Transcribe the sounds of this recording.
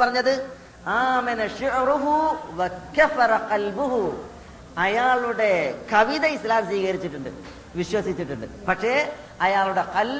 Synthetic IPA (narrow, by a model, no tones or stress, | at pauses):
pɐrɐɲːɐðɨ | aːmɐnɐʃʊʔɾuɦuʋɐkɐfɐɾɐqɐlbuɦu | ɐjaːɭuɽe̞kɐʋiðɐislaːmsiːkɐɾit͡ɕːiʈːuɳɖɨ̰ | ʋiɕwɐsit͡ɕːiʈːuɳɖɨ̰pɐkʂe̞ | ɐjaːɭuɽe̞qɐl